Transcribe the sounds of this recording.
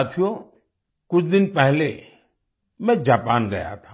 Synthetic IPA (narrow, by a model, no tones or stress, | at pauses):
at̪ʰijo | kʊt͡ʃʰd̪ɪnpɛɦle | mɛ̃d͡ʒaːpaːnɡɐja̰t̪ʰaː